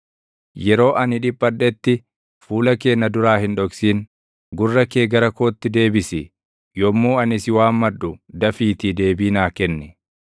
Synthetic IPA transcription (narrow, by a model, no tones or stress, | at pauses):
jɛɾo̞ːʔɐnɪᶑɪpːɐᶑɛt̪ːɪ | fuːlɐke̞ːnːɐd̪ʊɾaːhɪnᶑɔksiːn | ɡʊrːɐke̞ːɡɐɾɐkoːt̪ːɪd̪e̞ːbɪsɪ | jɔmːuːɐnɪsɪwaːmːɐᶑːʊd̪ɐfiːt̪ɪd̪e̞ːbiːnaːkɛnːɛ